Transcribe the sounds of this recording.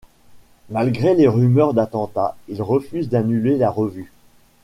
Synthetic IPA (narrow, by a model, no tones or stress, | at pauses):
malɡʁeleʁymœʁd̪at̪ɑ̃t̪ailʁəfyzd̪anylelaʁəvy